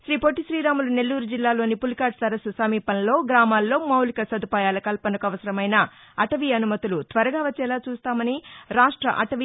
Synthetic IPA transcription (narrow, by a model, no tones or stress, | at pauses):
ʃɾiːpoʈːiʃɾiːɾaːmulune̞lːuːɾud͡ʒilːaːlo̞ːnipulikaːʈsɐɾɐsusɐmiːpɐnɐlo̞ːɡɾaːmaːlːo̞ːmɐwlikɐsɐd̪upaːjaːlɐkɐlpɐnɐkuɐʋɐsɐɾɐmɐjnɐɐʈɐʋiɐnumɐt̪ulut̪ʋɐɾɐɡaːʋɐt͡ʃːɛːlaːt͡ʃuːst̪aːmɐniɾaːʂʈɾɐ̰ʔɐ̰ʈɐʋi